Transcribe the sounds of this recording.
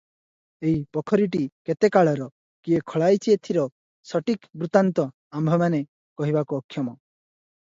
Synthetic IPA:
eɦipɔkʰɔɾiʈ̬iket̪ekaɭɔɾɔ | kiekʰɔɭajt͡ʃʰiet̪ʰiɾɔ | sɔʈikbɾut̪ant̪ɔ | ambʱɔmane | kɔɦibakuɔkʰjɔmɔ

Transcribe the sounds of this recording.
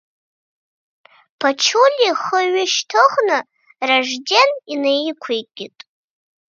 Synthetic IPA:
pʰat͡ʃʰulʲiχəɥɪʃtʰɨʁnɨ | raʐdeninejkʷʰejʼɡʲɪtʼ

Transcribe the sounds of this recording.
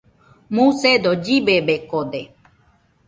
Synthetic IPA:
mũsed̪od͡ʒibebekod̪e

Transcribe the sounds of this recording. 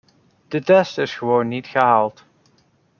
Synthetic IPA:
d̥ətɛstɪsχəʋownːitχəɦaːlˠt

